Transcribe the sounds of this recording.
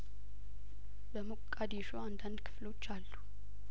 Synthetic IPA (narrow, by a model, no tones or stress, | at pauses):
bəmukʼːad̪iʃoand̪and̪kʰɨ̥flo̞t͡ʃːalːu